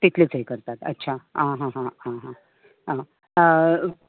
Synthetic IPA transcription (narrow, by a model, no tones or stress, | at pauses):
t̪it̪ʰlet͡sɦejkəɾt̪at̪ə̰tːɕʰaɦãɦãɦãɦãɦã | ɦã